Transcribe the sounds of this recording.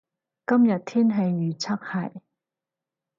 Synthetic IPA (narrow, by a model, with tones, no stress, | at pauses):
kɐ˥mjɐ˨t̚t̪ʰiː˥nɦɐ˨jːyː˨t͡sʰɐ˥k̚hɐ˨j